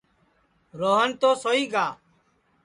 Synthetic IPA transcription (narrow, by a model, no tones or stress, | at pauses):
ɾoːɦənt̪oːsoːiːɡaː